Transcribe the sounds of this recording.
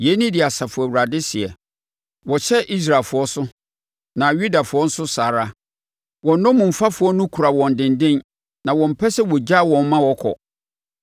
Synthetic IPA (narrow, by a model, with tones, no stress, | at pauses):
je˨˦nĩ˦dɪ˨a˨sa˨fʊ˨æ˨wu˨ɾa˨dɪ˦sɪ˨ɛ̰˨ | wɔ˨ɕɛ˦ʔi˦s̬ɾaː˨fʊ˨ɔ˦sʊ˦ | nã˨ɥu˦da˨fʊ˨ɔ˦n̩˦sʊ˦saː˨ɾa˦ | wɔ̃˨nnːɔ̃˦mũ˨fa˦fʊ˨ɔ˦nʊ̃˦kʰu˨ɾa˨wɔ̃˨n˨dɪ̃˨ndɪ̃˦n | nã˨wɔ̃˨m̩˨pʰɛ˦sɛ˦wɔ˨d͡ʑa˦˨wɔ̃˨m̩˦mã˦wɔ˦kʰɔ̰˨